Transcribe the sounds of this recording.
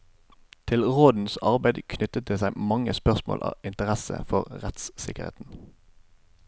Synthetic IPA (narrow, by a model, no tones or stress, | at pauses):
t̪ʰɪlʁoːd̪n̩sɑʁbæɪd̪kʰnʏt̪ət̪̚d̪eːsæɪmɑŋəspœʁsmo̰ːlʔɑ̰ːɪnt̪əʁæsə̰fɔʁʁɛt̪ssɪkəʁhḛːt̪n̩